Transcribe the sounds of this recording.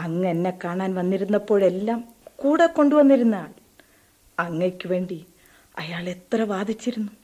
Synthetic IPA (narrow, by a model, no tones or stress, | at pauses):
ɐŋːɐnːekaːɳaːnʋɐnːiɾunːɐpːo̞ːɭe̞lːaːm | kuːɽekːo̞ɳɖuʋɐnːiɾunːaːɭ | ɐŋːekʲːuʋe̞ːɳɖi | ɐ̰jaːɭe̞t̪rɐʋaːd̪ʱit͡ɕːiɾunːu